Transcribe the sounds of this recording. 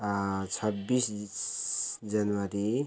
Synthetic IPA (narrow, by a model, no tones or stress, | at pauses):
t͡sʰʌbːis | d͡zʌnwaɾi